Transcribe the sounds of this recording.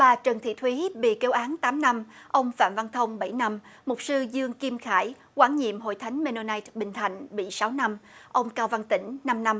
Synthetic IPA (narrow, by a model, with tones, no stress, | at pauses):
ɓaː˨˩t͡ɕəː˨˩nt̪ʰḭ˧˨t̪ʰwi˨˦ɓḭ˧˨ke˨˦wʔaː˨˦nt̪aː˨˦mna˧mʔə˧wŋ͡mfa̰ː˧˨mva˧nt̪ʰə˧wŋ͡mɓa˧˩jna˧mmʊ˨˩k͡p̚sɨ˧zɨ˧əŋki˧mxaː˧˩j | kwaː˧˩nɲḭ˧˨əmɦo̰˧˨jt̪ʰa˨˦jŋ̟me˧no˧na˧jt̚ɓï˨˩ŋ̟t̪ʰa˨˩jŋ̟ɓḭ˧˨saː˨˦wna˧mʔə˧wŋ͡mkaː˧wva˧ŋt̪ï˧˩ŋ̟na˧mna˧m